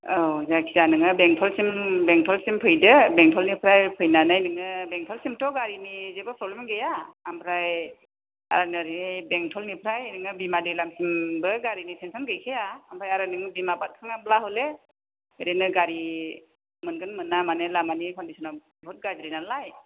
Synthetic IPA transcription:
owzakʰizanɯŋɯbeŋtʰɔlsimbeŋtʰɔlsimpʰɯjdɯbeŋtʰɔlnipʰɾajpʰɯjnanajnɯŋɯbeŋtʰɔlsimtʰɔɡaɾinizebɯpʰɾɔblemɡejaːmpʰɾaj | a̰ɾanɯɾibeŋtʰɔlnipʰɾajnɯŋɯbimadelamsimbɯɡaɾinisʰensʰɔnɡɯjkʰejaampʰɾajaɾanɯŋbimabat̚kʰaŋablaɦɔle | eɾenɯɡaɾi | mɯnɡɯnmɯnːamanɯlamanikʰɔndisʰɔnɔ | bʱɔt̚ɡazɾinalaj

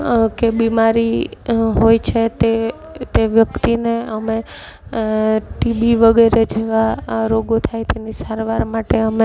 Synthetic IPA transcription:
kebimaɾiɦojt͡ʃʰet̪e | t̪eʋjəkt̪ineəme | ʈibiʋəɡeɾed͡ʒeʋaɾoɡot̪ʰajt̪ʰenisaɾʋaɾmaʈeəme

